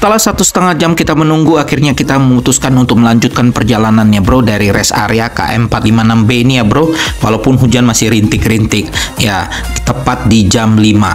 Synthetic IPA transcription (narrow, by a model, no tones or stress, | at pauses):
sət̪əlasat̪usə̥t̪əŋad͡ʒamkit̪amənuŋɡuakirɲakit̪aməmut̪uskanunt̪ʊk̚məlaɲd͡ʒut̪̚kanpərd͡ʒalananjabɾodaɾiɾɛsa̰ɾeaka̰ʔɛ̰mpat̪limanambeinijabɾowalawpʊnɦud͡ʒanmasɪhɾint̪ɪkɾint̪ɪk̚ja | t̪əpat̪̚did͡ʒamlima̰